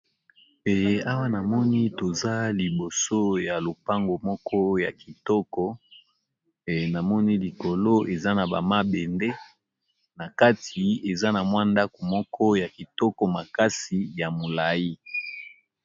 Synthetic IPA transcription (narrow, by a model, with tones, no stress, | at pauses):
e˨˦a˦wa˦na˨mɔ˦ni˦to˨za˦li˨bo˨so˦ja˨lo˨pa˦ŋɡo˨mɔ˦kʰɔ˦ja˨ki˨tɔ˦kɔ˦ | e˨na˨mɔ˦ni˦li˨ko˨lo˦ʔe˨za˦na˨ba̰˨ma˦be˨nde˦ | na˨ka˦tʰi˨e˨za˦na˨mwa˦nda˦ko˨mɔ˦kʰɔ˦ja˨ki˨tɔ˦kɔ˨ma˨ka˦si˨ja˨mo˨la˨ji˦